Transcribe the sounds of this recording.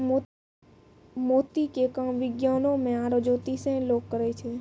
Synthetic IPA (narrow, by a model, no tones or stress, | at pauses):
mot̪ikekəʋɪɡjanomẽaɾod͡ʒot̪isẽlokkːəɾet͡ʃʰe